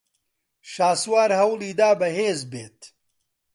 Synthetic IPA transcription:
ʃaːswaːɾhɐwlˠiːd̪aːbɐɦeːzbḛːt̪

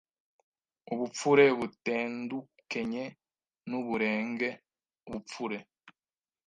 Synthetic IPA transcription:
uβup͡fuɾeβuteːndukeɲe | nuβuɾeːŋɡe | uβup͡fuɾe

